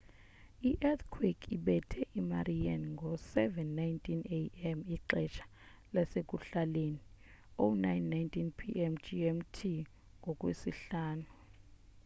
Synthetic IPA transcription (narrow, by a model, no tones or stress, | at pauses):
iʔɛt̪kʰwikiɓɛtʰɛʔima̰rianŋɡʱɔsɛvɛnːajntʰʼineɛmiǃɛt͡ʃʰḁ | lasek̬ʼuɬaleni | onajnːajntʰʼinpʰiʔɛmd͡ʒiɛmtʰi | ŋɡʱɔkʼwesiɬaːnu